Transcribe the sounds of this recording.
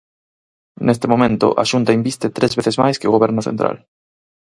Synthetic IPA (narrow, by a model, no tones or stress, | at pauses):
nest̪emomẽnt̪ʊ̰ʔa̰ʃunt̪aimbist̪et̪ɾezβeθezma̰jskɪoɣoβ̞ɛɾnoθḛnt̪ɾa̰l